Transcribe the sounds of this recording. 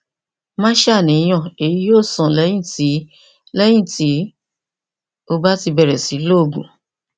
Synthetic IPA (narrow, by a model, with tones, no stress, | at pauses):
mã˦ʃa˦˨nĩ˨˧˦j̃ɔ̃˦˨e˨ji˨˦joː˦˨sã˨lɛ˨˦j̃ĩ˦˨ti˨˦ | lɛ˦j̃ĩ˦˨ti˨˦ | o˧ba˦ti˧bɛ˧ɾɛ˨si˨˦lo˦˨ɡṵ̃˨